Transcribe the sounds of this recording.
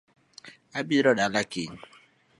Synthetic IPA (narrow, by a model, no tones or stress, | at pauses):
abiɾɔdalakeɲi